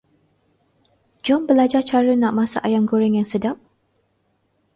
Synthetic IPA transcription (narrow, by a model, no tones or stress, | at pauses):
d͡ʒɔmbəlad͡ʒat͡ʃaɾənãʔmãsa̰ʔajamɡoɾɛŋjaŋsədap̚